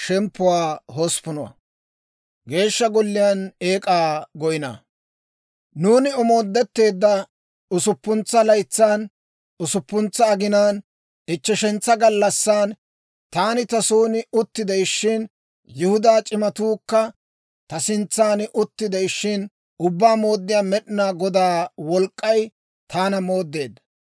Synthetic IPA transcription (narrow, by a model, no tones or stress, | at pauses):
ʃɛmpːʊwaːɦospʊnɔwɐ̰ | ɡe̞ːʃːɐɡɔlːɪjɐneːkʼaːɡɔjɪna̰ː | nuːnɪɔmo̞ːd̪ːɛt̪ːe̞ːd̪ːɐ | ʊsʊpːʊnt͡sːɐlɐjt͡sːaːn | ʊsʊpːʊnt͡sːɐːɡɪnaːn | ɪt͡ʃːɛʃɛnt͡sːɐɡɐlːɐsːaːn | t̪aːnɪt̪ɐsuːnɪʊt̪ːɪd̪ɛjʃːɪn | jɪhʊd̪aːt͡ʃʼɪmɐt̪uːkːɐ | t̪ɐsɪnt͡sːaːnɪʔʊt̪ːɪd̪ɛjʃːɪn | ʊbːaːmo̞ːd̪ːɪjaːmɛɗɪnaːɡɔd̪aːwɔlkʼːɐj | t̪ʰaːnɐmo̞ːd̪ːe̞ːd̪ɐ